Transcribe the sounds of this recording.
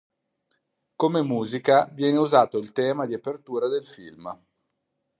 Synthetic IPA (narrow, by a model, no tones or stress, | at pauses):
komemuːzikavjɛːneuzaːt̪oilt̪ɛːmad̪iapert̪uːɾad̪elfḭlm